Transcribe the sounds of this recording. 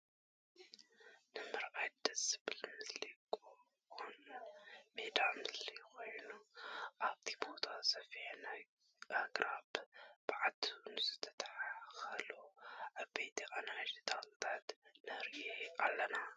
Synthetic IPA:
nɨmɨɾʔajd̪̥ɐsɨβɨlmɨslikʼo | on | med̪amɨslijko̞jnuʔaβt̪ʰibo̞t̪ʰasɐfiħnaj | ʔaɡɾabb̥ɨʕat̪ʰunɨzɨt̪ʰɐ̥t̪ʰʼħaxɐloʔaβbejt̪ʰiʔanad͡ʒɨt̪ʰatɨt̪ʰat̪nɐɾɡealːɐna

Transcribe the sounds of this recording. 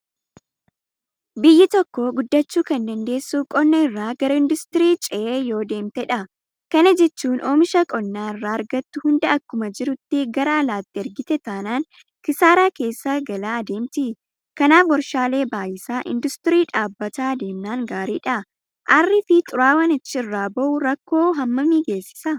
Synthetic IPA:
bɪjːɪt̪ɔkːɔɡʊd̪ːɐt͡ʃːuːkɐnd̪ɐnd̪e̞ːsːukʼɔnːɐɪrːaːɡɐɾɐɪnd̪ʊst̪ɪɾiːt͡ʃʼɛʔeːjo̞ːd̪e̞ːmt̪ɛᶑɐ | kɐnɐd͡ʒɛt͡ʃːuːnʔoːmɪʃɐkʼɔnːaːɪrːaːɐɾɡɐt̪ːʊhʊnd̪ɐɐkːʊmɐd͡ʒɪɾʊt̪ːɪɡɐɾɐːlaːt̪ːɪɐɾɡɪt̪ɛt̪aːnaːn | kɪsaːɾaːke̞ːsːaːɡɐlaːɐd̪e̞ːmt̪ɪ | kɐnaːfwɔɾʃaːle̞ːbaːjɪsaːʔɪ̰nd̪ʊst̪ɪɾiːᶑaːbːɐt̪aːd̪e̞ːmnaːŋɡaːɾiːᶑɐ | ʔɐrːɪfɪt̪ʼʊɾaːwɐnɪt͡ʃːɪɪrːaːbɐʔʊɾɐkːo̞ːɦɐmːɐmiːɡe̞ːsːɪ̥sɐ

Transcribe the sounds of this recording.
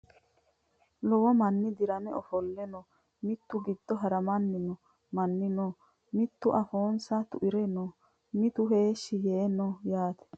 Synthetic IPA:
lɔwɔmɐnːɪd̪ɪɾɐmɛɔfɔlːɛnɔ | mɪt̪ːʊɡɪd̪ːɔɦɐɾɐmɐnːɪnɔ | mɐnːɪnoː | mɪt̪ːʊʔɐfoːnsɐt̪ʊʔɪɾɛnoː | mɪt̪ʊɦe̞ːʃːɪjeːnɔjaːt̪ɛ̥

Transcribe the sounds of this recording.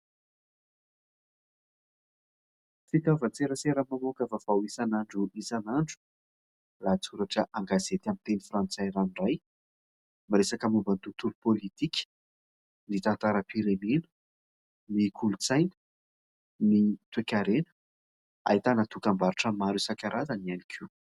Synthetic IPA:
fit̪avat͡seɾəseɾəmamokavavawisanaɳɖ͡ʐuʔisanaɳɖ͡ʐu̥ | lat͡suɾaʈ͡ʂəʔaŋɡazet̪amint̪enifrant͡sajɾanɖ͡ʐaj | maɾesakəmubant̪ut̪uɾupolit̪ikʲə̥ | nit̪ant̪aɾəpiɾenenə̥ | nikʰulut͡sajnə̥ | nit̪uekʲaɾenə̥ | a̰it̪anat̪ukambaɾiʈ͡ʂəmaɾusakʲaɾʔazanianikʲʰu

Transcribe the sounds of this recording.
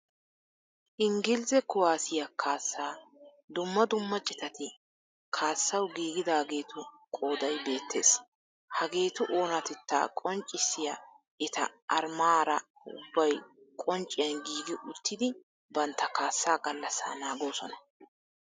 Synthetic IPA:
ʔɪŋɡɪlzɛkʊwaːsɪjɐkʰaːsːaː | d̪ʊmːɐd̪ʊmːɐt͡ʃʼɪt̪ɐt̪ɪ | kʰaːsːɐwɡiːɡɪd̪aːɡe̞ːt̪ʊkʼo̞ːd̪ɐjbe̞ːt̪ːe̞ːs | hɐɡe̞ːt̪ʊʔoːnɐt̪ɛt̪ːa̰ːkʼɔnt͡ʃʼɪsːɪjɐ | ɪt̪ɐ̰ʔɐɾmaːɾɐ | ʊ̰bːɐjkʼɔnt͡ʃʼːɪjɐnɡiːɡɪʔʊt̪ʰːɪd̪ɪ | bɐnt̪ːɐkaːsːaːɡɐlːɐsa̰ːnaːɡo̞ːsɔnɐ

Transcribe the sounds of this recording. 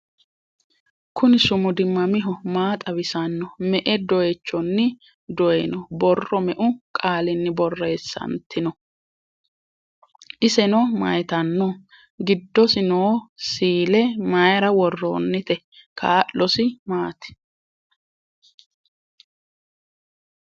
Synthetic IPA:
kʰʊnɪsʊmʊd̪ɪmːɐmɪɦɔmaːt̪ʼɐβɪsɐnːɔmɛʔɛd̪ɔjɛt͡ʃːɔnːɪ | d̪ɔjɛnɔbɔrːɔmɛʔʊkʼaːlɪnːɪbɔrːe̞ːsːɐ̰nt̪ːɪnɔ | ʔɪsɛnɔmɐ̰jt̪ɐnːɔ | ɡɪd̪ːɔsɪnoːsiːlɛmɐjɾɐwɔrːo̰ːnːɪt̪ɛ | ka̰ːʔːɔsɪmaːt̪ɛ̥

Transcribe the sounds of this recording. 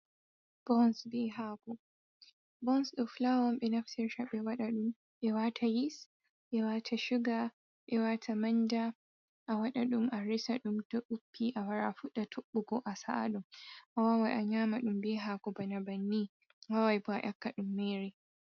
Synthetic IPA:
b̥ɔnsbiɦakɔ | bɔnsɗɔflawɔmbɛnɐɸtɛɾʃaɓɛwaɗaɗʊm | ɓɛwatʰajis | ɓɛwatʰaʃʊɡa | ɓɛwatʰamɐnda | ʔawɐɗaɗʊmʔaɾɪsaɗʊmtɔɗʊpːiʔawɐɾa̰ɸʊɗatʰɔɓːuɡɔʔasa̰ʔa̰ɗʊmʔawawajʔaɲaːmaɗʊmbiɦakɔbanabɐnːi | wawajbaʔɐkːaɗʊmːeːɾe

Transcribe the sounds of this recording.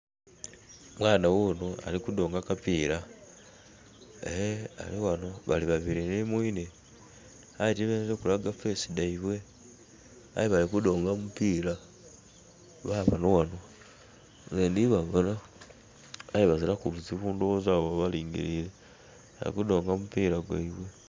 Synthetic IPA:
mwaːnawonoa̰likudo̞ːŋɡakapiːɾa | ehea̰liwano̞βaliβaβiɾinimwine | atiβeneɾekulaɡafesidaiβwe̞ | a̰jiβalikudo̞ːŋɡamupiɾa | βaβanowano | zeːndiβaɡona | liβazilakuβuziβuːndoozaβaβaliːŋɡḭɾile | a̰lḭkudo̞ːŋɡamupiːɾaɡwa̰iβwe̞

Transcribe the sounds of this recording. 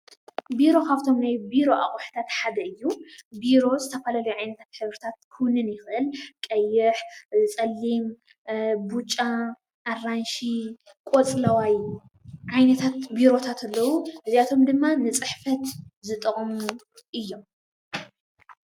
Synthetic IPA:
biɾo̞kʰaft̪ʰo̞mnajbiɾo̞ʔa̰χʼuħt̪ʰat̪ħad̪ɐɨjːubiɾo̞zɨt̪ʰɐfalalujʕajnɐt̪ʰat̪ħɨβɾɨt̪ʰat̪̚kʰɨwnɨnjɪxʔɨlkʼɐjːɪħt͡sʼɐlːim | but͡ʃʼːa | ʔːranʃi | kʼot͡sʼlɐwaj | ʕajnɐt̪ʰat̪biɾo̞t̪ʰat̪ʰɐlːɐwuhɨzjat̪ʰo̞md̪ɨmːanɨt͡sʼɨħfɐt̪zɨt̪ʼɐχʼmu | ʔɨjːo̞m

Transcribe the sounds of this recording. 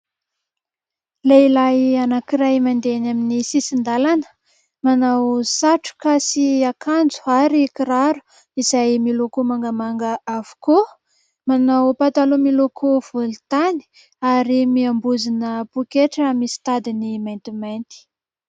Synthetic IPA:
leilajanakiɾajmand̪enaminisisind̪alanə̥ | manawsaʈ͡ʂu̥kasiakʰand͡zu̥aɾikiɾaɾu̥ | izajmilokumaŋɡamaŋɡəavu̥ko | manawpat̪alumilokʰuv̥olt̪ani̥ | aɾimiambuzinəpukeʈ͡ʂamisi̥t̪ad̪inimajnt̪imajnt̪i̥

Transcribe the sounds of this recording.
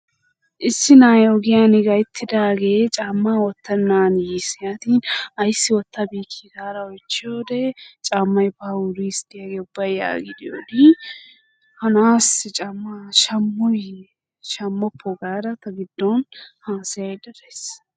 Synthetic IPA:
ʔɪsːɪnaːjoɡɪjaːnɪɡɐjt̪ʰːɪd̪aːɡe̞ːt͡ʃʼaːmːaːwɔt̪ːɐnːaːnjisɪjaːt̪iːnɐjsːɪwɔt̪ːɐbiːkʰːiɡaːɾɐɔjt͡ʃːɪjoːd̪ɛt͡ʃʼaːmːɐjbɐʊɾiːsd̪ɪjaɡeːʊbːɐjja̰ːɡɪd̪ɪjo̰ːd̪ɪ | hɐnaːsɪt͡ʃʼamːɐʃɐmːɔj | ʃɐmːɐpʰːɔɡaːɾɐt̪ɐɡɪd̪ːɔnhaːsɐjɐjd̪ɐɾes

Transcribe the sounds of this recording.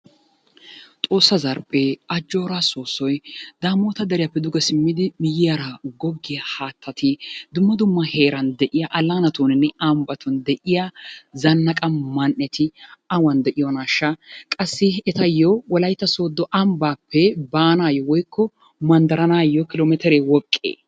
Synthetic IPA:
t̪ʼo̞ːsːɐzɐɾpʼeɐd͡ʒːoːɾaːsoːsːɔjd̪̥aːmoːt̪ɐd̪ɐɾɪjapːɛd̪ʊɡɐsɪmːɪd̪ɪmɪjɪjɐɾɐɡɔɡːɪjɐhaːt̪ʰːɐt̪ɪd̪ʊmːɐd̪ʊmːɐheːɾɐnd̪ɛʔɪjaʔɐlːaːnɐt̪uːnɪnːɛɐmbɐt̪ʊnd̪ɛʔɪjazɐnːɐkʼɐmɐnʔːɛt̪ɪɐwɐnd̪ɛʔɪjɔnaːʃːɐkʼɐsːɪɛt̪ɐjɔwɔlɐjt̪ːɐso̞ːd̪ːɔʔɐmbaːpːɛbaːnaːjɔwɔjkʰːɔ | mɐnd̪ɐɾɐnaːjːɔkɪloːmɛt̪ɪɾewɔkʼːḛː

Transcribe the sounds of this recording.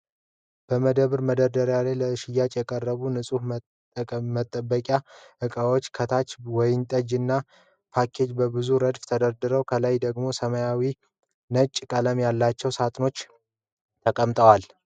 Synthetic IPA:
b̥əməd̪əβɨɾməd̪əd̪əɾjalajləɨʃɪjːat͡ʃʼjɛkʼərːəβunɨsʼuh | mət̪ʼːəbːəkʼjaʔɨkʼəwo̞t͡ʃːkʰət̪ʰat͡ʃwɔjɪnt̪ʼəd͡ʒɨnːa | pʰakʰe̞d͡ʒbəbɨzuɾəd̪ft̪ʰəd̪əɾd̪ɨɾəwkʰəlajd̪əɡmo̞səməjawi | nət͡ʃʼːkʼələmjalːat͡ʃːɛwsat̪ʼno̞t͡ʃː | t̪ʰəkʼəmt̪ʼəwal

